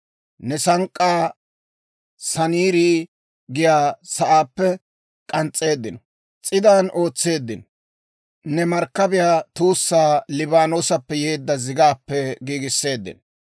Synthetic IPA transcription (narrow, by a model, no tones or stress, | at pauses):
nɛsɐŋkʼːaː | sɐniːɾiː | ɡɪjaːsɐʔaːpːɛ | kʼɐnt͡sʼːe̞ːd̪ːɪnɔ | t͡sʼɪd̪aːnʔo̞ːt͡sːe̞ːd̪ːɪn | nɛmɐɾkːɐbɪjaːt̪uːsːaːlɪbaːno̞ːsɐpːɛjeːd̪ːɐzɪɡaːpːɛɡiːɡɪsːe̞ːd̪ːɪ̰n